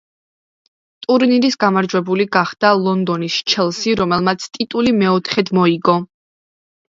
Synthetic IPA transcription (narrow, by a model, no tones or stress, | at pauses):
t̪ʼuɾniɾisɡamaɾd͡ʒwɛbuliɡaχd̪̥alˠɔnd̪ɔnisʃt͡ʃʰɛlˠsiɾɔmɛlˠmat̪sʰt̪ʼit̪ʼulimɛɔt̪ʰχɛd̪mɔiɡɔ